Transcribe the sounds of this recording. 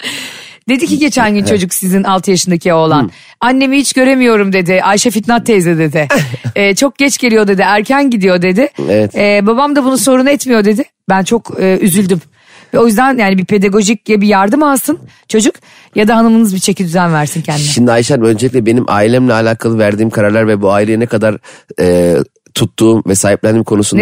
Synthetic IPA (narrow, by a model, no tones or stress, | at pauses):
d̪̥e̞d̪iciɟe̞t͡ʃʰænɟynt͡ʃʰo̞d͡ʒuksizinalˠt̪ʰɯjaʃɯnd̪acʰiolˠan | anʲːe̞mihit͡ʃɟø̞ɾe̞mijo̞ɾumd̪e̞d̪ɪʔajʃafit̪nat̪ʰːezɛd̪e̞d̪ɪːt͡ʃʰo̞k̚ɟɛt͡ʃɟe̞lʲijo̞d̪e̞d̪ɪæɾcʰænɟid̪ijo̞d̪e̞d̪ɪevɛt̪ːbabamd̪abunuso̞ɾunɛt̪mijo̞d̪e̞d̪ɪ | bænt͡ʃʰo̞kʰɯːyzylʲd̪ym | vɛo̞jyzd̪ænjaːnibipʰe̞d̪aɡo̞ʒiclɛbijaɾd̪ɯmalˠsɯn | t͡ʃʰo̞d͡ʒuk | jad̪aɦanɯmnɯzbit͡ʃʰe̞cʰid̪yzænvæɾsincʰɛnd̪iʃimd̪iajʃaø̞nd͡ʒelʲiclʲɛbe̞nimʔa̰ːilʲeimlʲɛalʲaːkʰalˠɯvæɾd̪iːmkʰaɾaɾlʲˠaɾvɛbuaːilʲejinɛkad̪aɾɛː | t̪ʰut̪ːuːmvɛsaːɦip̚lʲænd̪iːmkʰo̞nusun